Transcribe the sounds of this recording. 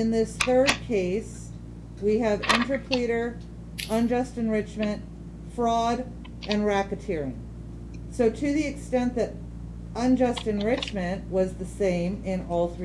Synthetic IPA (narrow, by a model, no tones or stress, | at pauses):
ɨ̃nðɪsθɜ˞d̚kʰeɪs | wiɨvɪ̃ntɨpʰl̥iɾə˞ | ə̃nd͡ʒʌstɨ̃nɹɪt͡ʃmɨ̃nʔ | fɹɔɾ | ʔɨ̃nɹækɨtʰɪɹɪ̰̃ŋ | soʊɾʰɨðiɨkstɛ̃nðɨɾ | ə̃nd͡ʒʌstɨ̃nɹɪt͡ʃmɨ̃nʔwʌzðɨsẽɪ̃mɪ̃nɔlˠθɹ